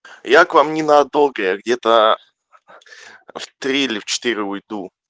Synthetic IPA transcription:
jakvamnʲɪnɐːd̪olˠɡəjaɡdʲet̪ə | ft̪ɾʲiɪlʲɪft͡ɕɪ̥t̪iɾʲɪʊjd̪u

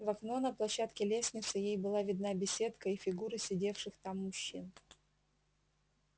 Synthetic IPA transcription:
vɐkno̞nəplˠɐɕːat̪kʲɪlʲesʲnʲɪt̪sɨjejbɨlˠavʲɪd̪nabʲɪsʲe̞t̪kəifʲɪɡuɾɨsʲɪdʲe̞fʂɨxt̪amːʊɕːin

